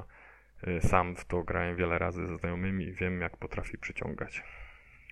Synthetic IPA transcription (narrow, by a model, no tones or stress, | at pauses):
samt̪t̪ɔɡɾawɛmvʲjɛlɛɾazɘzɛznajɔmɘmʲivʲjɛmjakpɔt̪ɾafʲipʂɘt͡ɕɔ̰̃ŋɡat͡ɕ